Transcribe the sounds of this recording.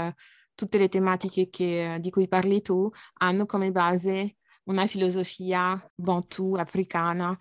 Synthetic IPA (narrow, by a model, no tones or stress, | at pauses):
t̪ut̪ːelet̪emat̪ikekʰed̪ikujparlit̪uanːokomebaːze | unafilozofiːabɔ̃t̪ʰuafɾikaːna